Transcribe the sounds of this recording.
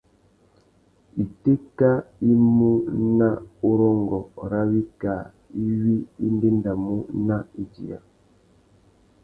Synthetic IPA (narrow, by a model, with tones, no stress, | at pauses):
i˨te˦ka˦i˦mu˦na˦u˦ɾɔ˦ŋɡɔ˨ɾa˦wi˦ka˨ | i˦wi˦i˦n˦de˦n˦da˨mu˦na˦i˦d͡ʒḭ˨a̰˨